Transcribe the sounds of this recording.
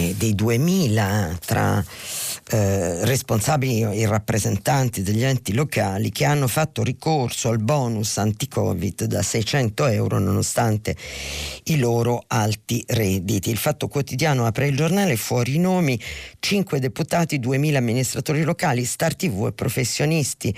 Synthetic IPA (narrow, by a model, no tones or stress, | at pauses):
d̪ejd̪uemiːlat̪ɾa̰ | responsaːbilierapːɾezent̪ant̪id̪eʎːɛnt̪ilokaːlik̟eanːofat̪ːorikorsoalbɔːnusant̪ikʰɔ̰ːvḭd̪ːasɛjt͡ʃɛnt̪oɛwɾo̰nonost̪ant̪e | iloːɾoalt̪irɛd̪it̪iːlfat̪ːokwot̪id̪jaːnoapɾeild͡ʒornaːlefwɔːɾiːnoːmit͡ʃiŋkwed̪eput̪aːt̪id̪uemiːlaːmːinist̪ɾat̪oːɾilokaːlist̪art̪ivuḛpːɾofesːjonist̪i